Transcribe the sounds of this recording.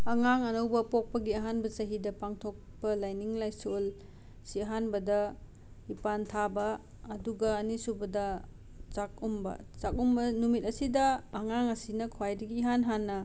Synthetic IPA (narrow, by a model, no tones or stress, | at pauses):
ɐŋaŋɐnɐwbɐpok̚pɐɡiɐɦanbɐt͡ʃɐɦidɐpaŋtʰok̚pɐlajniŋlajsol | siɐɦanbɐdɐ | ipantʰabɐː | duɡɐːnisubɐdɐ | t͡ʃak̚umbɐ̰t͡ʃak̚umbɐnumit̚ɐsidɐːŋaŋɐsinɐkʰwajdɐɡiːɦanɦanːɐ